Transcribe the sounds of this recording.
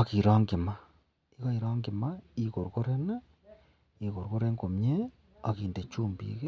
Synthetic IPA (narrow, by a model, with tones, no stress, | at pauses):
a˨ki˨ɾa˦ŋɡi˨ma˦ | i˦ɣa˦i˨ɾa˦ŋɡi˨ma˦i˦ko˨ɾɣo˦ɾe˦na˦ | i˨ɣo˨ɾɣo˦ɾe˦ŋɡo˨mɲe˦ | a˨ɣiː˨nde˨t͡ʃuː˦mbḭː˦ɣe˦